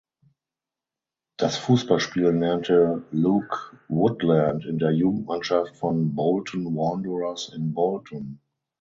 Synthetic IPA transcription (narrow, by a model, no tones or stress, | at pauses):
d̥asfuːsb̥alʃpiːlnɛɐntʰəlukwʊtlæ̃ntɪ̃ndeːɐjuːɡŋ̩tmanʃaftfɔnbɔʊltn̩wɔ̃ndəɹasɪ̃nbɔltn̩